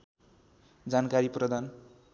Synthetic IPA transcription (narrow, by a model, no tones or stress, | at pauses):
d͡zankaɾiprʌd̪ʱan